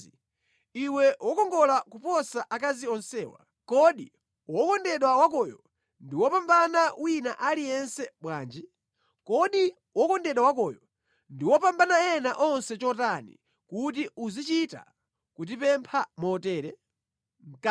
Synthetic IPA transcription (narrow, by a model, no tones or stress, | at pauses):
iwɛwɔkɔŋɡɔlakupɔsaʔakaziɔnsɛːwa̰ | kɔɗi | wɔkɔndɛɗwawakɔjɔ | ndiwɔpambanawinaʔalijɛnsɛɓwaːnd͡ʒi | kɔɗi | wɔkɔndɛɗwawakɔjɔ | ndiwɔpambanaɛnaʔɔnsɛt͡ʃɔtanḭ | kut̬iuzit͡ʃita̰ | kut̬ipɛmpʰamɔtɛːɾɛ | ŋ̩k